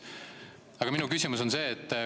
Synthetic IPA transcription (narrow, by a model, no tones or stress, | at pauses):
ɑɡ̥ɑminukysʲimuso̞nse̞ːt̪ː